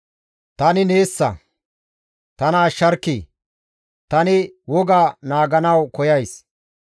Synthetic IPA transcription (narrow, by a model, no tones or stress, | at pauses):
t̪ɐnɪne̞ːsːɐ̰ | t̪ɐnaːʃːɐɾkːiː | t̪ɐnɪwɔɡaːnaːɡɐnɐwkɔjɐjs